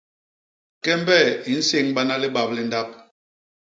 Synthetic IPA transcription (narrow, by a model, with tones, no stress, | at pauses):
kɛ˦m˦bɛ˦˨i˨˦n̩˦se˦ŋɓa˦na˦li˦ba˨p̚li˦n̩˦da˦p̚